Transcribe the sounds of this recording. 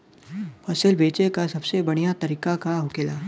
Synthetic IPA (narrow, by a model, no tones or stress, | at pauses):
pɐsəlbeːt͡ʃekasɐbsebɐɽ̃ijat̪ɐɾiːkakaɦʊkeːlaː